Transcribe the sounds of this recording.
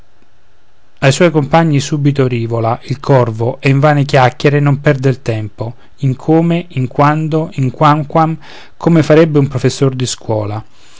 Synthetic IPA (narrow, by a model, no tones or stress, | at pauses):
ajswɔjkompaɲːisuːbit̪oɾiːvolaʔilkʰɔrvoʔɛiɱvaːnek̬jakjeɾenompɛrd̪eilt̪ɛmpo | iŋkʰoːmeiŋkwand̪oiŋkwaŋkwam | kʰomefaɾɛbːeumpɾofesːord̪iskwɔːla